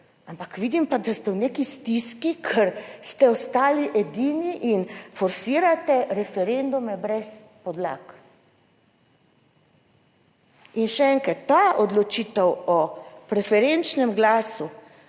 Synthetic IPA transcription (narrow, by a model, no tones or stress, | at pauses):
ampakʋid̪impad̪ast̪ɛwnekist̪iskikʰɛɾst̪ɛɔst̪aːliʔɛd̪iːniʔinfɔɾsiːɾat̪ɛɾɛfɛɾend̪umɛbɾɛs | pɔd̪la̰k | inʃɛɛŋkɾat̪ːaʔɔd̪lɔt͡ʃiːt̪ɛwɔpɾɛfɛɾent͡ʃnɛmɡlaːsu